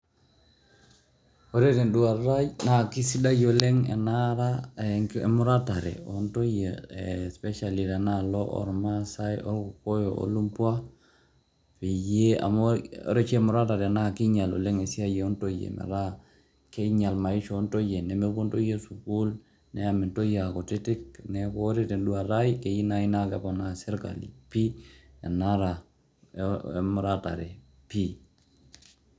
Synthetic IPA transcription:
o˨ɾe˦ɾe˨ndu˨a˨ɾa˦jna˦˨ki˦si˦da˦jo˨le˦ŋɛ̰˨na˦ɾa˦ḛ˨mu˦ɾa˦ta˨ɾɛ̰˨o˨nto˦je˨spɛ˦ʃa˨li˨ɾa˨na˦lɔ˦ʔɔ̰˨ɾma˦sa˦jɔ̰˦ɾku˨ko˦jo˨o̰˦lu˦mpwa˦ | fe˨je˦a̰˨mo̰˦ɾe˦t͡ʃɛ˨mu˨ɾa˦ta˨ɾɛ˨na˦˨ki˦ɲa˨lo̰˨le˦ŋe˨si˦a˦jɛ˨ɔ˦nto˦jḛ˨mɛ̰˨ɾa˦ | ke˦ɲa˨lma˨i˦ʃoː˦nto˦je˨ne˨me˦ko˦nto˦je˦su˨ku˦l | ne˦a˨mi˨nto˦ja˨ko˨ti˦ti˦k̚ne˨˦ko˦ɾi˦ti˨nɗu˦a˨ɾa˦ike˨ji˦na˦i˦na˦kepo˨na˨se˦ɾka̰˨lḭ˨pi˦e˨na˦ɾa˨ | emu˨ɾata̰˨ɾe˨ | pi˦

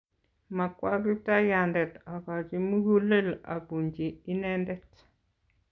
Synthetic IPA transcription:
ma˨kwa˦ɡi˦ta˦ja˨ndɛ˨ta˨ka˨d͡ʒi˦mu˦ɡu˦le˦la̰˨bu˨ɲd͡ʒe˨i˦nɛ˦ndɛ˦t

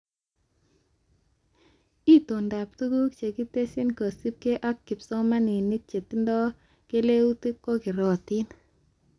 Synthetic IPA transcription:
i˦to˨nda˨p̚tu˦ɡu˦k̚t͡ʃe˨ki˦te˦si˦nko˨si˦p̚ke˦ʔa˦kːi˨psɔ˦ma˦ni˨ni˦k̚t͡ʃe˨ti˦ndɔ˦ | ke˦le˦u˦ti˦kːo˦kɪ˨ɾɔ˨ti˦n

